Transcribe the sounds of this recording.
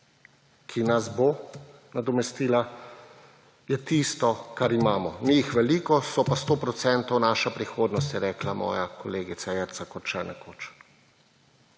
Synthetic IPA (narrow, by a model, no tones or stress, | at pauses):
kʰinazbo | nad̪ɔmɛst̪iːla | jɛt̪ist̪ɔkaɾimaːmɔmijixʋɛlikɔsɔpast̪oːpɾɔt̪sɛnt̪ɔwnaːʃapɾixoːd̪nɔs̬t̪jɛɾɛːklamɔ̰ːjakɔleːɡit̪sajɛɾt̪sakɔt̪t͡ʃɛnʔɛkʰoːt͡ʃ